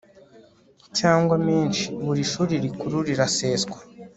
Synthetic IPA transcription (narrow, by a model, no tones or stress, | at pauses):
caːŋɡwamiːnʃi̥βuɾiʃuːɾiɾikuɾuɾiɾase̞ːzɡwḁ